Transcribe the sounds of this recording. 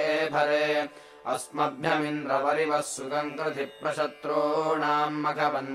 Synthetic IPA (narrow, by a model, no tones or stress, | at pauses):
bʱɐɾeː | ɐ̰smɐbʱjɐminɾɐʋɐɾiʋɐsːukɐŋkɾɐt̪ʰipɾɐʃɐt̪ɾoːnaːmːɐkʰɐbɐn